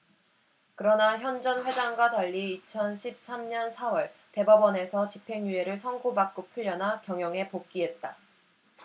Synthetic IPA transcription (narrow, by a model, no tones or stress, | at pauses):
kɯɾʌnaçjʌnd͡ʑʌnɸwe̞d͡ʑaŋɡwataʎːiːt͡ɕʰʌnɕʰip̚s͈amɲʌnsʰawʌɭte̞bʌbʌne̞sʰʌt͡ɕipʰe̞ŋjue̞ɾɯɭsʰʌŋɡubak̚k͈opʰuʎːʌnakjʌŋjʌŋe̞pok̚k͈iɦe̞t̚t͈a